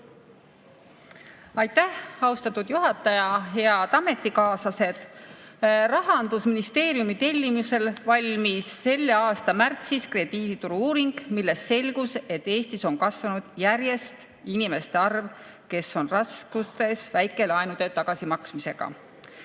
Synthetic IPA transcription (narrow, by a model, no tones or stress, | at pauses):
ɑjt̪ːæhɑwst̪ɑt̪ːˑud̪̥juɦɑt̪ːˑɑjɑɦe̞ɑd̪̥ɑme̞t̪ˑːikɑːsɑse̞d̪̥ | rɑɦɑnd̪̥usminist̪e̞ːɾijumit̪e̞lʲːimuse̞lvɑlʲmisːe̞lːeɑːst̪ɑmært̪siskre̞d̪̥iːd̪̥it̪uɾuuːɾiŋɡ̥milːe̞st̪se̞lʲɡ̥use̞t̪ːe̞ːst̪iso̞nkɑsvɑnud̪̥jæɾje̞st̪ | inime̞st̪e̞ɑrv | ke̞so̞nrɑskust̪e̞svæjkːˑe̞lɑjnud̪e̞t̪ɑɡ̥ɑsimɑksmise̞ɡ̥ɑ̰